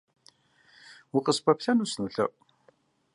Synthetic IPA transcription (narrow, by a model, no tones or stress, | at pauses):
wiqəsbæfθænusnəɬə̰